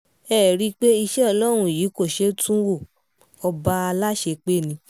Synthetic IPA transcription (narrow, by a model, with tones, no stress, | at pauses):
ɛː˦˨ɾi˦k͡pe˦i˧ʃɛ˦ɔ˧lɔ˦ɾ̃ũ˧˨jiː˨˦ko˦˨ʃe˨˦tʰũ˦wo˦˨ | ɔ˧ba˦a˧la˦ʃe˧k͡pe˦˨nĩ˧˦